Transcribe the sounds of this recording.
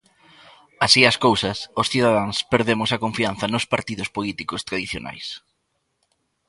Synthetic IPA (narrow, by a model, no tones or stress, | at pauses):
asiɐskowsɐsʊsθiðaðaŋspeɾðemʊsɐkoɱfian̟θɐnʊspaɾt̪iðʊspolit̪ikʊst̪ɾaðiθjo̰na̰js